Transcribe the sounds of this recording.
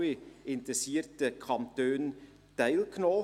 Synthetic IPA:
ɪɪntɾɛsiːəɾtəkʰɑmtøːn | tæɪlknoː

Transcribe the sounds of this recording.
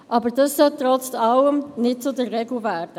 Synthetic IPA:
ʔɑbəɾd̥ɑssœlt̪ɾɔt͡sɑləmnɪt̚t͡sʊdəɾːɛɡluvæːɾd̥ə

